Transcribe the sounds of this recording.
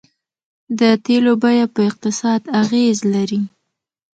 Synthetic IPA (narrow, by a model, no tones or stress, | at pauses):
d̪ət̪elobajapəɪq̚t̪ɪsɑd̪aɣezlaɾi